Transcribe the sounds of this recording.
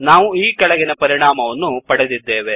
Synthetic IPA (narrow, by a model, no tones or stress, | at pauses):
naːʋuiːkɐɭɐɡinɐpɐɾiɳaːmɐʋɐnːupɐɽed̪id̪ːeːʋe̞